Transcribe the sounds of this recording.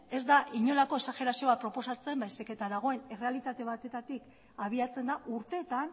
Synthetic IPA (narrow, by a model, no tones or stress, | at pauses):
e̞zd̪aʔiɲo̞lako̞e̞saxe̞ɾasio̞apɾo̞po̞sat͡se̞mbajsike̞t̪aðaɣ̞o̞e̞ne̞re̞alit̪at̪e̞β̞at̪e̞t̪at̪ik | aβ̞iat͡se̞nd̪aʔuɾt̪e̞ːt̪an